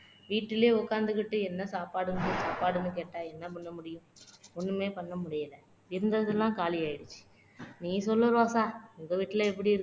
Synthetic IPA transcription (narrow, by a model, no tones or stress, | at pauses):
ʋiːʈːɪleːʊkːaːnd̪ɯkːɪʈːɯɛnːɐsaːpaːɽɯmʊɽɪjɯ̃saːpaːɽɯnːɯk̬eːʈːaːɛnːɐpɐɳːɐmʊɽɪjʊ̃ɔnːɯmeːpɐɳːɐmʊɽɪjɐlɐ | ɪɾɯnd̪ɐɐðɪlːãːkaːlɪjaːjɪɽɯt͡ʃːi̥ | nĩːsɔlːɐɾoːsaːʊŋɡɐʋiːʈːɪlɐɛp̬ːɐɽiɪɾɯ